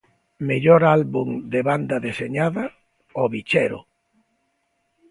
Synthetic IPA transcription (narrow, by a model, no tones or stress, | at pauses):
meʎɔɾalβuŋd̪eβand̪ɐðeseɲaðɐ | ɔβit͡ʃɛɾʊ̰